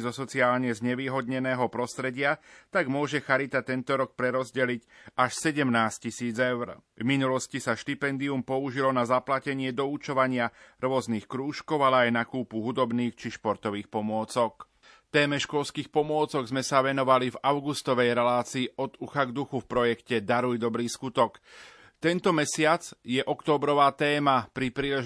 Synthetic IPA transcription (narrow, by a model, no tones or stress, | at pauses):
zɔsɔt͡siaːlɲɛzɲɛʋiːɦɔd̪ɲɛnɛːɦɔpɾɔst̪ɾɛɟɪat̪aɡmʊɔʒɛxaɾit̪at̪ɛnt̪ɔɾɔk̚pɾɛɾɔzɟɛlicaʃsɛɟɛmnaːscisiːd͡zɛʊɾvminulɔscisaʃt̪ipɛnd̪iumpɔuʒilɔnazaplacɛɲɪɛd̪ɔut͡ʃɔʋaɲɪaɾʊɔzniːxkɾuːʃkɔʊalɛajnakuːpuɦud̪ɔbniːxt͡ʃiʃpɔɾt̪ɔʋiːxpɔmʊɔt͡sɔk | ft̪ɛːmɛʃkɔlskiːxpɔmʊɔt͡sɔɡzmɛsaʋɛnɔʋalivaʊɡust̪ɔʋɛjɾɛlaːt͡siːɔd̪uxaɡd̪uxufpɾɔjɛkcɛd̪aɾujd̪ɔbɾiːskut̪ɔk | t̪ɛnt̪ɔmɛsɪat͡sjɛʔɔkt̪ɔːbɾɔʋaːt̪ɛːmapɾipɾiːlɛ